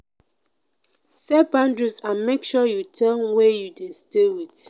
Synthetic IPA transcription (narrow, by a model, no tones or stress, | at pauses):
sɛbãndɹizãnmekʃɔjutʰɛ̃nwɛjudestewit